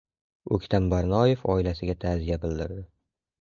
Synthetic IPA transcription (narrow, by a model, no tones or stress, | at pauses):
ɵkʲt̪ʰambaɾnɒje̞fɒɪlasɪɡʲat̪ʰazijabɪld̪ɪɾd̪ɪ